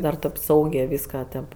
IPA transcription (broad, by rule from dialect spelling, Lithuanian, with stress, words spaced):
ˈdɐr tʲeːp ˈsɐʊɡʲeː ˈʋʲiːskɐ tʲeːp